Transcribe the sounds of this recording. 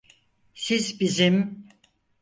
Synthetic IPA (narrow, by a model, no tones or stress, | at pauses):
sizbizim